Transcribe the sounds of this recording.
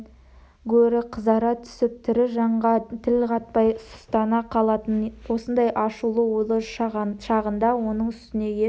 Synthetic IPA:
ɡɵɾɪqʰəzɑɾɑt̪ʰʏ̥sɪp̚t̪ʰɪɾɪʒɑɴʁɑt̪ʰɪlqʰɑt̪̚pɑjsʊ̥st̪ɑnɑqʰɑlˠɑt̪ənwo̞sənd̪ɑjʔɑʃulˠəwolˠəʃɑʁənd̪ɑwo̞nəɴʏst̪ɪne̞jʲe

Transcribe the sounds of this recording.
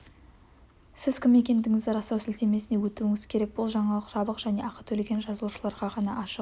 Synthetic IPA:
sɪz̥kʲʰɪme̞kʲe̞nd̪ɪŋɪzɪɾɑsɑwsɪlt̪eme̞sɪne̞wɵt̪uɪŋɪz̥kʲʰe̞ɾek̚bʊlˠʒɑɴɑlˠəqʒ̥ɑbˠəqʒ̥æne̞ʔɑqət̪ʰɵleɡʲe̞nʒɑzəlˠuʃəlˠɑɾʁɑʁɑnɑʔɑʃəq

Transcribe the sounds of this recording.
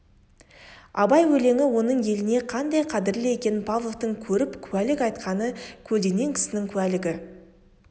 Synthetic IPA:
ɑbɑjwɵle̞ŋɪwo̞nəɴje̞lɪne̞qʰɑnd̪ɑjqʰɑd̪ɪɾlɪje̞kʲe̞nɪpʰavlˠovt̪əɴkʲʰɵɾɪpkʲʰʉwælɪkɑjt̪qɑnəkʲʰɵld̪e̞ne̞ŋkʲʰɪ̥sɪnɪŋkʲʰʉælɪɡʲɪ

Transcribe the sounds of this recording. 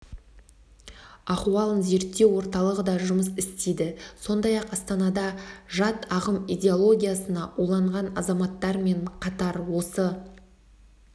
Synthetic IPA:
ɑqwɑlˠənze̞ɾt̪ːe̞wo̞ɾt̪ɑlˠəʁəd̪ɑʒʊməsɪst̪ed̪ɪso̞nd̪ɑjɑqɑst̪ɑnɑd̪ɑʒɑt̪ɑʁəmijd̪ʲe̞olˠo̞ɡʲijasənɑʔulˠɑɴʁɑnɑzɑmɑt̪ːɑɾme̞ɴqʰɑt̪ɑɾwo̞sə

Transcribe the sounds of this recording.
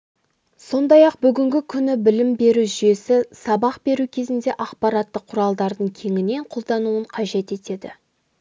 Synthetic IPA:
so̞nd̪ɑjɑq̚bʏɡʲɪŋɡʲɪkʲʰʏnɪbɪlɪmbe̞ɾuʒʏje̞sɪsɑbɑqbe̞ɾukʲʰe̞zɪnd̪e̞ʔɑqpɑɾɑt̪ːəqʰːʊɾɑlˠd̪ɑɾd̪əɴkʲʰe̞ŋʲɪne̞ɴqʰolˠd̪ɑnuəɴqʰɑʒe̞t̪e̞t̪e̞d̪ɪ

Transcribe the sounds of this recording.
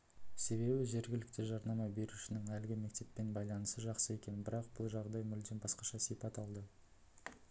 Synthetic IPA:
se̞βe̞bɪʒe̞ɾɡʲɪlɪkt̪ɪʒɑɾnɑmɑbe̞ɾuʃɪnɪŋælɡʲɪme̞k̚t̪e̞pːe̞nbɑjlˠɑnəsəʒɑqsəe̞kʲe̞nbɪɾɑqb̥ʊlˠʒɑʁd̪ɑjmʏld̪enbɑsqɑʃɑsipɑt̪ɑlˠd̪ə

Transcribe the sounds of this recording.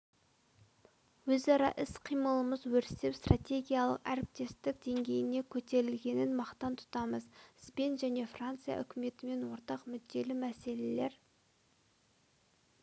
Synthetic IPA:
wɵzɑɾɑ̰ʔɪsqʰijməlˠəməzwɵɾsɪpst̪rat̪ʲe̞ɡʲijalˠə̰qæɾɪp̚t̪e̞st̪ɪk̚d̪e̞ŋɡʲe̞jɪne̞kʲʰɵt̪e̞ɾɪlɡʲe̞nɪnmɑqt̪ɑnt̪ʰʊ̥t̪ɑməzsbe̞nʒæne̞frant̪sɨjɑ̰ʔʏ̰kʲɪme̞t̪ɪme̞nwo̞ɾt̪ɑqmʏd̪ːe̞lɪmæse̞le̞le̞ɾ

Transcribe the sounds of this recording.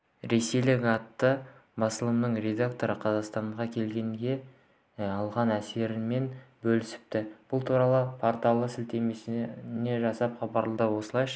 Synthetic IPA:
ɾe̞se̞jlɪkɑt̪ːəbɑsəlˠəmnəɴɾe̞d̪akt̪o̞ɾəqʰɑzɑqst̪ɑɴʁɑkʲʰe̞lɡʲe̞ŋɡʲe̞ | ɑlˠʁɑnæse̞ɾɪme̞nbɵlɪsɪ̥p̚t̪ɪb̥ʊlˠt̪ʰuɾɑlˠəpʰoɾt̪alˠəsɪlt̪e̞me̞sne̞ʒɑsɑpχɑbɑɾlˠəd̪əwo̞səlˠɑjʃ

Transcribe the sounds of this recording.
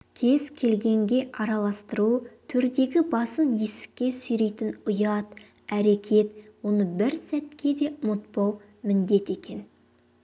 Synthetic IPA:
kʲʰe̞zkʲʰe̞lɡʲe̞ŋɡʲe̞ʔɑɾɑlˠɑst̪əɾut̪ʰʏɾd̪e̞ɡʲɪbɑsənje̞sɪ̥kʲːe̞sʏjɾe̞jt̪ɪnʊjɑt̪ | æɾe̞kʲʰe̞t̪wo̞nəbɪɾsæt̪kʲʰe̞d̪e̞mʊt̪̚pɑw | mɪnd̪e̞t̪e̞kʲe̞n

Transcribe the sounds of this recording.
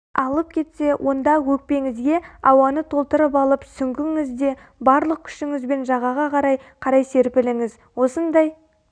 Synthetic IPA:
ɑlˠəp̚kʲʰe̞t̪se̞wʔo̞nd̪ɑwɵk̚pe̞ŋɪzɡʲe̞ɑwɑnət̪ʰo̞lˠt̪əɾəpɑlˠəpsʏŋɡʲɪŋɪzd̪e̞ | bɑɾlˠəq̚kʲʰʏ̥ʃɪŋɪzbe̞nʒɑʁɑʁɑqʰɑɾɑjqʰɑɾɑjse̞ɾpɪlɪŋɪz | wo̞sənd̪ɑj

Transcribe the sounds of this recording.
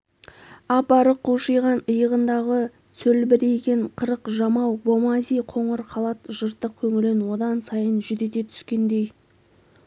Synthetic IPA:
ɑpɑɾəqʰːuʃəjʁɑnəjəʁənd̪ɑʁə | sɵlbɪɾejɡʲeɴqʰəɾəqʒɑmɑwbo̞mɑzijqʰo̞ɴəɾqʰɑlˠɑt̪ʒəɾt̪ːəq̚kʲʰɵŋɪlɪnwo̞d̪ɑnsɑjənʒʏd̪et̪e̞t̪ʰʏ̥skʲe̞nd̪e̞j

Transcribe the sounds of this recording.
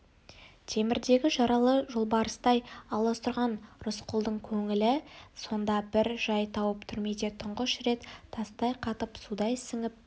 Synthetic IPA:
t̪ʰe̞mɪɾd̪e̞ɡʲɪʒɑɾɑlˠəʒolˠbɑɾəst̪ɑjɑlˠɑst̪ʊɾʁɑnɾʊsqʰʊlˠd̪əɴkʲʰɵŋɪlɪso̞nd̪ɑbɪɾʒɑjt̪ʰɑwəpt̪ʰʏɾme̞d̪e̞t̪ʰʊɴʁəʃɾe̞t̪t̪ʰːɑst̪ɑjqʰɑt̪əpsud̪ɑjɪsɪŋɪp̚

